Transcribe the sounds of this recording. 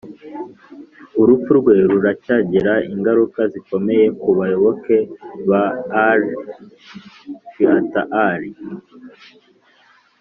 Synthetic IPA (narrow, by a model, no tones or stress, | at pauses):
uɾup͡fuɾɡwe̞ɾuɾacaɟeɾaiŋɡaɾukaziko̞me̞je̞kuβajo̞βo̞ke̞βaːɾ | ʃiataʔaɾi